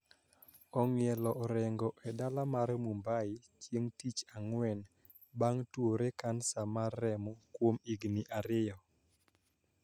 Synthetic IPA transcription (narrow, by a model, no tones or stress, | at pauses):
ɔŋɪɛlɔɾɛŋɡɔʔɛdalamaɾmumbaɪt͡ʃjeŋtit͡ʃaŋwɛn | baŋtwoɾekansamarːɛmɔkwomiɡnɪʔaɾɪjɔ